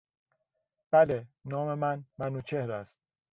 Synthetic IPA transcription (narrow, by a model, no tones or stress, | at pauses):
b̥ælenɒːmemænmænuːt͡ʃʰehɾæst̪̚